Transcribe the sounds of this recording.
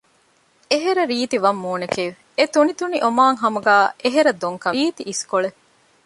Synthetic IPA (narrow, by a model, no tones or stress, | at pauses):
eɦeɾɐɾiːt̪iʋɐmːuːnekeːʋ | et̪unit̪uniʔomaːŋɦɐmuɡæːeɦeɾɐd̪oŋkɐiːt̪iʔːskoɭe